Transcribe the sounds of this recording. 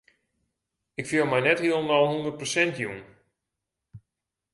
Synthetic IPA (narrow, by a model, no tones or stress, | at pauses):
ɪkfiəlˠmɛjnɛthiəlˠnɔlˠɦundərt̚prosɛntjun